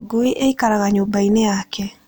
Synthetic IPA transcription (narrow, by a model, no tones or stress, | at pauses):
ɡuiʔeikaɾaɣaɲobaineakʰɛ